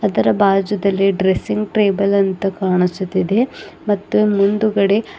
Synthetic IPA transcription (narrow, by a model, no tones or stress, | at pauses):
ɐd̪ɐɾɐbaːd͡ʒɐd̪ɐlːiɖɾesiŋɡʈɾeːbɐlɐnt̪ɐkaːɳisut̪ːid̪e̞mɐt̪ːumund̪uɡɐɽe̞